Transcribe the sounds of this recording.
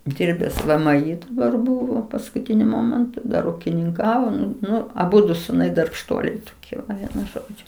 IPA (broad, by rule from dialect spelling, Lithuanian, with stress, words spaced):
ˈdʲɪrʲbʲɛs ˈʋɘ ˈmɘ ˈiː dɐˈbɐr ˈbuːʋoː pɐskʊˈtʲɪnʲʊ ˈmoːmʲɛntʊ ˈdɐr ʊkʲɪnʲɪŋˈkɑːʋoː ˈnʊ ˈnʊ ɐˈbʊdʊ sʊˈnɐɪ dɐrpʃˈtuɔlʲɛɪ toːˈkʲiɛ ɐɪ ˈʋʲiɛnʊ ˈʒoːd͡ʒʲʊ